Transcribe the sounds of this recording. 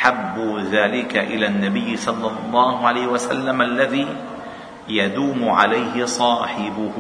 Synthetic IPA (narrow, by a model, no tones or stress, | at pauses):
ħabːʊðaːlɪkaʔɪlaːnːabɪjːsˤɑlːɑlˤːɑːhʊʕalajːhwasa̰lːamʔalːaðiː | jad̪uːmʊʕa̰lajhɪsˤɑːħɪbʊ